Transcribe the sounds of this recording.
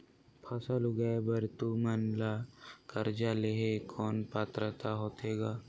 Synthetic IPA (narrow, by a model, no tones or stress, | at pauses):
pʰɐsəlʊɡəebɐɾt̪umənlakɐɾd͡ʒaleɦekʰɔːnpaːt̪ɾət̪aɦoːt̪eːɡaː